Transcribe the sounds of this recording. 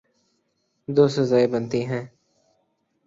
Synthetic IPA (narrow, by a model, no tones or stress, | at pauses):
d̪oːsəzaːeːbənt̪iːɦɛ̃ː